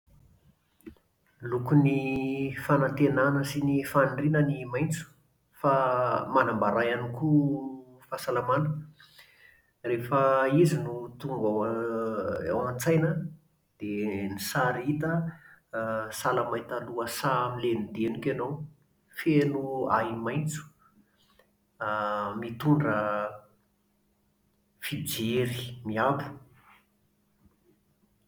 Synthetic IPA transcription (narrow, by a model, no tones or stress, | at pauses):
lukunifanant̪enanəsinifaɳɖ͡ʐinənimajnt͡su̥ | famanambaɾajaniku | fasalamanə | refəizinut̪uŋɡa | a̰want͡sajnə | d̪̥enisaɾit̪ə | salamajt̪aluəsamilenid̪enukʲanow | felua̰imajnt͡su̥ | mit̪uɳɖ͡ʐə | fid͡ʒeɾi̥miabu̥